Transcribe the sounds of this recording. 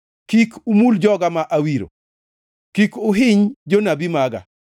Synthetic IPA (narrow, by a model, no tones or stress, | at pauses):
kikumuld͡ʒɔɡamaʔawiɾo̰ | kikʊɦɪɲd͡ʒonabimaɡa̰